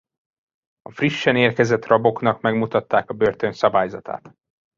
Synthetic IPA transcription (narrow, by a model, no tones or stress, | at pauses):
ɒfriʃːɛneːrkɛzɛt̪rɒbo̞knɒkmɛɡmut̪ɒt̪ːaːkɒbøːrt̪ø̞nsɒbaːjzɒt̪a̰ːt̪